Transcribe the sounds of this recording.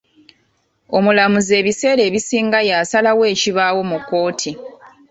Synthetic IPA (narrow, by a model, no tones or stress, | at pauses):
o̞mulamuze̞ːβise̞ːɾe̞ːβisiːŋɡajaːsalawe̞ːciβawo̞mukːo̞ːtʰi